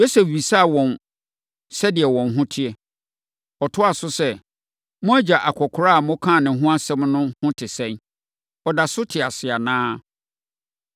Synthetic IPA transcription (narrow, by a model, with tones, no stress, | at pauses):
jo˦se˨fwi˨sa˦a˨wɔ̃˨n | sɛ˦dɪ˨ɛ˨wɔ̃˨nɦʊ̃˦tʰɪ˦ɛ˨ | ɔ˨tʰʊ˦a˨sʊ˦sɛ˦ | mʊ̃˦æ˦d͡ʑa˨ʔa˨kʷʰɔ˨kʰʊ˨ɾa˦a˨mʊ̃˦kʰã˦˨nɪ̃˨ɦʊ̃˦a˦sɛ̃˦mnʊ̃˦hʊ̃˦tʰɪ˨sɛ̃˦n | ɔ˨da˨sʊ˦tʰɪ˨a˨sɪ˨a˨nãː˦